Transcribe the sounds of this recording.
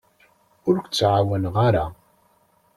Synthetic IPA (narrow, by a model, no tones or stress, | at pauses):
ʊɾkʷt͡sːʕawænʁaɾa